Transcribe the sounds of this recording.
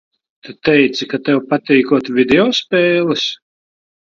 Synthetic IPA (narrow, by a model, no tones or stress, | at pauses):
t̪ut̪ɛjt̪sikat̪ɛwpat̪iːkuɔt̪vʲid̪eɔːspʲɛːlˠɨs